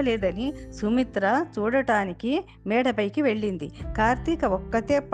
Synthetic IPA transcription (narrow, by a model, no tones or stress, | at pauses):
leːd̪ɐnisumit̪ɾɐt͡ʃuːɽɐʈaːniki | mɛːɽɐpɐjkiʋe̞ɭːind̪ḭkaːɾt̪ikɐɔkːɐt̪eːp